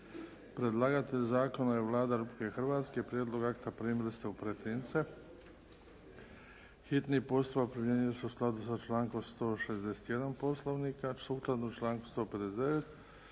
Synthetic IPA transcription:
pɾe̞d̪lˠaːɡat̪ezaːko̞najeʋlˠaːd̪aɾupikexrʋaːt̪skepɾjed̪lˠo̞ɡakt̪apɾiːmilist̪eupɾet̪ɾiːnt̪se | xit̪nipo̞st̪upapɾimʲjeːɲiloseusklˠad̪usat͡ʃlaːŋkomst̪o̞ːʃe̞zd̪ese̥t̪je̞d̪anpo̞slˠoʋniːkasuːklad̪nut͡ʃlaːŋku̥st̪o̞ːped̪esd̪eʋet̪

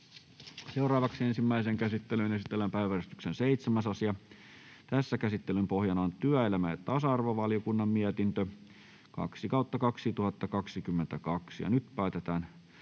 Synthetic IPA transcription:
seurɑːʋɑksiensimːæiseŋkæsit̪ːelynesit̪ːˑelːæmpæiʋærist̪y̥ksenseit̪semæsɑsiɑ | t̪æsːækæsit̪ːelympohjɑnɑntt̪yæelæmæet̪ːɑsɑɑrʋoʋɑljokunːɑmmiæt̪int̪ø | kɑ̰ksikɑut̪ːɑkɑksit̪uhɑt̪ːɑkɑksikymːent̪ækɑksijɑ̰nyt̪pæyt̪et̪æːn

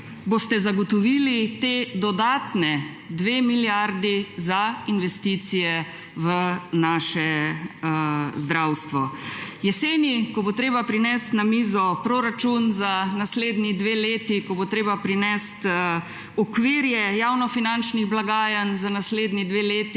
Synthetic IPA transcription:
bost̪ɛzaɡɔt̪ɔʋiːlit̪ed̪ɔd̪aːt̪nɛ | d̪ʋeːmiljaɾd̪izainʋɛst̪it̪sijɛ | ʋənaːʃɛ | zd̪ɾawst̪ʋɔjɛseːnikɔbot̪ɾeːbapɾinɛst̪namiːzɔpɾoɾat͡ʃunzanasleːd̪nid̪ʋeːleːt̪ikɔbot̪ɾeːbapɾinɛst̪ | ɔkʋiɾjɛjaːwnɔfinant͡ʃniɣblaɡaːjanzanasleːd̪nid̪ʋeleːt̪i

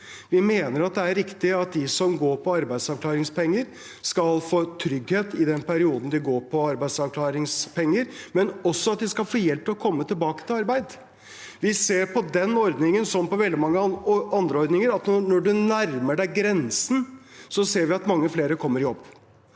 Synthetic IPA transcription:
ʋɪmeːnəɾɑt̪̚d̪ɛæɾɾɪkt̪ɪɑt̪̚d̪ɪsɔmɡoːɾpʰɔɑɾbæɪd̪sɑʋkʰlɑːɾɪŋspɛŋːəɾ | skɑlfoːt̪ʰɾʏɡheːt̪ɪd̪ɛnpʰæɾɪuːd̪n̩d̪ɪɡoːɾpʰɔɑɾbæɪ̥sɑʋkʰlɑːɾɪŋspʰɛŋːəɾmɛnɔsːɔɑt̪̚d̪ɪskɑlfoːjɛlpt̪ʰɪlɔkʰɔmːət̪ʰɪlbɑːkə̥t̪ʰɪlɑɾbæɪd̪ | ʋɪseːɾpʰɔd̪ɛnɔɾd̪nɪŋənsɔmːpɔʋɛld̪ɪmɑŋːəɑnd̪ɾəɔɾd̪nɪŋəɾɑt̪nɔnɔɖʉnæɾməɖæɪɡɾɛnsən | sɔseːɾʋɪɑt̪mɑŋːəfleːɾəkʰɔmːəɾjɔbː

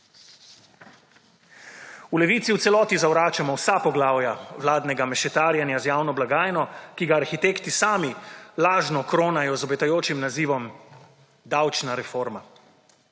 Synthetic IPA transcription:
ulɛʋiːt̪siwt̪sɛlɔːt̪izawɾaːt͡ʃamɔwsapɔɡlaːwjawlaːd̪nɛɡamɛʃɛt̪aːɾjanjazjaːwnɔblaɡaːjnɔkiɡaːɾxit̪eːkt̪isaːmilaːʒnɔkɾoːnajɔzɔbɛt̪ajoːt͡ʃimnaziːʋɔm | d̪awt͡ʃnaɾɛfoɾma

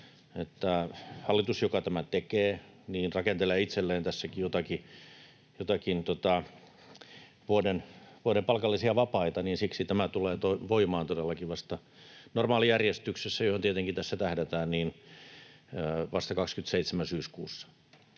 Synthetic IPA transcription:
et̪ːæhɑlːit̪usjokɑt̪æmæt̪ekeː | niːnrɑkent̪eleːit̪selːeːnt̪æsːækijot̪ɑki | jot̪ɑkint̪ot̪ɑ | ʋuodenʋuoɾempɑlkɑlːisiɑʋɑpɑit̪ɑniːnsiksit̪æmæt̪uleːt̪oiʋoimɑːnt̪odelːɑkiʋɑst̪ɑ | normɑːlijærjest̪yksesːæjohont̪iet̪eŋkit̪æsːæt̪æhdet̪æːnniːn | ʋɑst̪ɑkɑkskyt̪seit̪semænsyːskuːsːɑ̥

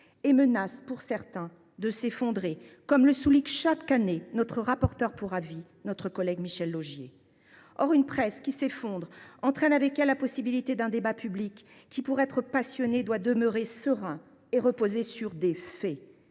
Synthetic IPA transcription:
emənaspuʁsɛʁt̪ɛ̃ | d̪əsefɔ̃d̪ʁekɔmləsuliʃakanenɔt̪χəʁapɔʁt̪œʁpuʁavi | nɔt̪χəkɔlɛɡmiʃɛlːoʒjḛ | ɔʁynpχɛskʲisefɔ̃d̪ʁɑ̃t̪χɛnavɛkɛlːapɔsibilit̪ed̪ɛ̃d̪ebapyblikʲː | ipuʁɛt̪χəpasjɔned̪wad̪əmøʁesəʁɛ̃ | eʁəpozesyʁd̪efɛ

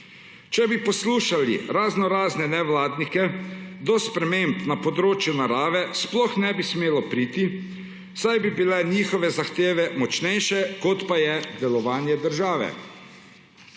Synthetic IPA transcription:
t͡ʃɛbipɔsluːʃalḭɾaznɔɾaːznɛnɛʋlaːd̪nikɛd̪ɔspɾɛmempnapɔd̪ɾoːt͡ʃjunaɾaːʋɛsplɔxnɛbismeːlɔpɾiːt̪i | sajbibilɛniːxɔʋɛzaxt̪eːʋɛmɔt͡ʃnɛjʃɛkɔt̪pajɛd̪ɛlɔʋaːnjɛd̪əɾʒaːʋɛ̰

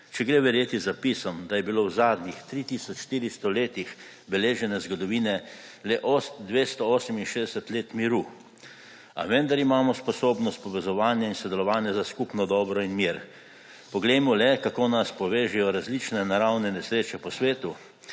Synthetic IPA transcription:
t͡ʃɛɡɾeːʋɛɾjeːt̪izapisɔmd̪ajɛbiloːwzaːd̪nixt̪ɾit̪isɔt͡ʃʃt̪iːɾist̪ɔleːt̪ix | bɛleːʒɛnɛzɡɔd̪ɔʋiːnɛlɛʔosd̪ʋeːst̪ɔoːsɛminʃeːd̪ɛsɛt̪leːt̪miɾu | a̰ʋɛnd̪aɾimaːmɔspɔsoːbnɔst̪̚pɔʋɛzɔʋaːnjainsɔd̪ɛlɔʋaːnjɛzaskupnɔd̪ɔːbɾɔinmiːɾ | pɔɡlɛjmɔlɛkakoːnaspɔʋeːʒɛjɔɾazlit͡ʃnɛnaɾawnɛnɛsɾeːt͡ʃɛpɔsʋeːt̪u

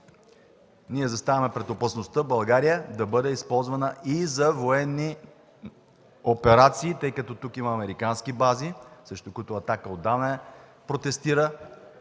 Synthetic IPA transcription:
niɛzɐst̪avɐmɛpɾɛt̪opəsnost̪əbɐlˠɡaɾijəd̪ɐbɤd̪ɛispɔlˠzvɐnəʔizɐvoɛnːi | opɛɾat̪siːt̪ɤjkɐt̪ɔt̪ukimɐːmɛɾikanskibazisɾɛʃt̪ʊkʊit̪ʊɐt̪akəod̪ːanɐɛ | pɾot̪ɛst̪iɾə

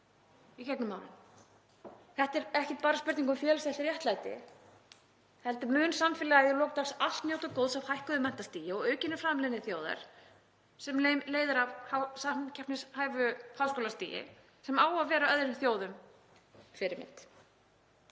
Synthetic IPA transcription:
icɛknʏmaːwnɪ̰n | θɛht̪ɛɾɛhcɛt̪paːɾaspʏɾt̪niŋk̬ʏmfjɛːlɪsɛhlt̪ɪɾjɛht̪lajt̪ɪ̰ | hɛlt̪ɪmʏːnsamfɪlɛɣaɛðɪlɔːk̚t̪aksal̥t̪njoːwt̪akowðsawhajhkʏðʏmɛnt̪ast̪iːjɪɔɣœːɥcɪnːɪfɾaːmlɪðnɪθjoːwða̰ɾ̥ | sɛmleːjmleːjðɪɾavhawsacʰahpnɪshaːjvʏhawskowlast̪ḭːjɪ̰ | sɛmaːwaðvɛːɾaœðɾɪmθjoːwðʏm | fɪɾɪɾmɪ̰n̥t̪

